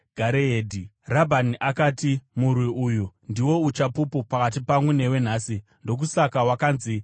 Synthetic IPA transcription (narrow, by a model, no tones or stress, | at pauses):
ɡ̥ʱaɾeeːdʱi | rabʱaniʔakaːtimurwiʔuːjundiwo̞ut͡ʃapupupakat̬ipamwene̞we̞n̤aːsindo̞k̬usakawakaːnzi